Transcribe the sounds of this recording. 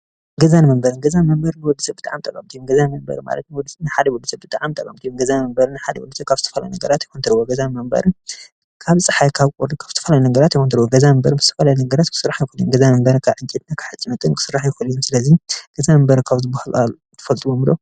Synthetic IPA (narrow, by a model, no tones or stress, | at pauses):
ɡɐzanmɐmbɐɾɨnɡɐzanmɐmbɐɾnɨwɔd̪ːisɐbɨt̪aʕamt̪ʼɐkʼːɐmt̪ʰijumɡɐzanmɐmbɐ̰ɾɨma̰lɐ̰t̪nwɔd̪ːisɐnɨħad̪ɐwɔd̪sɐbɨt̪ʼaʕamt̪ʼɐkʼːɐmt̪ijumɡɐzanmɐmbɐɾɨnɨħad̪ɐwɔ̰d̪sɐkaβzɨt̪ʰɐ̥fɐla̰junɐɡɐɾat̪jɪxunt̪ʰɨɾwoɡɐzanmɐmbɐ̰ɾɨ | kʰaβt͡sʼɨħajkʰaβkʼoɾd̪ikʰaβz̥ɨt̪ʰɐfɐlajunɐɡɐɾat̪jɛxont̪ʰɨɾɨwoɡɐzamɐmbɐɾɨbɨz̥ɨt̪ʰɐ̥fɐlajunɐɡɐɾat̪kʰɨ̥sɨrːaħjɪxuljumɡɐzamɐmbɐɾkʰaβʕɨɲt͡ʃʼit̪nakʰɨ̥ħɨt͡sʼɨnɨt̪ʼɨnkʰɨ̥sɨrːaħjɪxuljumsɨlɐziɡ̥ɐzamɐmbɐɾkʰaβzɨbahalʔal | t̪ʰɐ̥fɐlt̪ʼɨwomɨlo